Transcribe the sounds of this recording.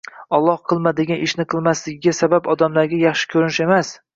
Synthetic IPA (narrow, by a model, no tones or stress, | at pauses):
ɒlˠːɒhqʰɨlˠmad̪ɪɡʲanʔɪʃnɪqʰɨlˠmaslɪɡʲɪɡʲasabapɒd̪amlaɾɡʲajɑχʃɪ̥kʲʰɵɾnɪʃe̞mas